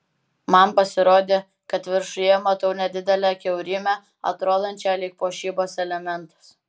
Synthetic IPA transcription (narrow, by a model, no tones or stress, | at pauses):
mɐmpɐsʲɪɾoːd̪ʲeː | kɐt̪ʋʲɪɾʃʊjɛmɐt̪ɐʊnʲɛd̪ʲɪd̪ʲɛlʲækʲɛʊɾʲɪmʲæ | ɐ̰t̪ɾoːd̪ɐnʲt͡ʃʲæːlʲiːk̚poːʃʲiːboːsɛlʲɛmʲɛnt̪ɐ̥s